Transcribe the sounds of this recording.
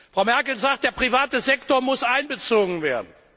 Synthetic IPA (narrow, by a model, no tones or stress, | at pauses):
fʁ̥aʊmɛɐkl̩zaːkt̚d̥eːɐpʁ̥ivaːtəzɛktoɐmʊsʔaɪnbət͡soːɡŋ̩veːɐdn̩